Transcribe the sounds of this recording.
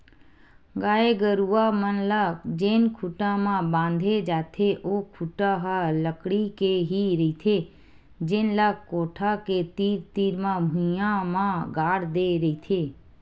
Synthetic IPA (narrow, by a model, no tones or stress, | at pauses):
ɡaːeɡəɾuːamənlaːɡd͡ʒeːnkʰʊʈãmãbãːnd̪ʱed͡ʒaːt̪ʰeʔoːkʰʊʈaɦaləkɽikeɦiɾəit̪ʰe | d͡ʒɪnlaːɡkoːʈʰaket̪iːɾt̪iːɾmãbʱʊ̃jãmãɡaːɽd̪eɾəit̪ʰeː